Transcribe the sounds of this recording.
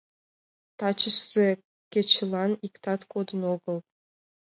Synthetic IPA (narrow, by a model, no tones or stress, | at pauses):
t̪ɑt͡ɕə̆ʃse | kʲĕt͡ɕ̆lˠɑnikt̪ɑt̪kod̪ɤ̆noɡɤ̆lˠ